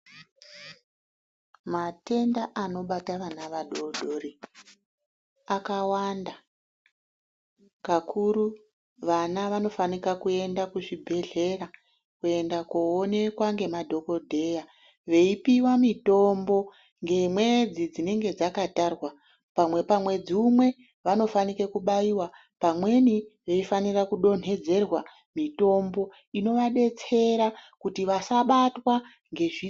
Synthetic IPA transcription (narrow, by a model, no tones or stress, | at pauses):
mate̞ndaʔano̞ɓataʋanaʋaɗo̞dʱori | akawanda | kakʰuɾu | ʋanaʋano̞fanikakue̞ndakuʐibʱe̞ɮe̞ra | kue̞ndakoone̞kwaŋɡe̞madʱo̞ko̞dʱe̞ja | ʋe̞ipiwamito̞mbo̞ | ŋɡe̞mwe̞d͡zid͡zine̞ŋɡe̞d͡zakatarwa | pamwe̞pamwe̞d͡ziumwe̞ | ʋano̞fanikekuɓaiwa | pamwe̞niʋe̞ifanirakuɗo̞n̤e̞d͡ze̞rwa | mito̞mbo̞ | ino̞ʋaɗe̞t͡se̞ɾakutiʋasaɓatwa | ŋɡe̞ʐi